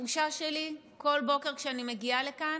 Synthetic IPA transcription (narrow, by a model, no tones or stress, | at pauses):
uʃaʃeli | ko̞lbo̞ke̞ʁkʃeanimeɡialekan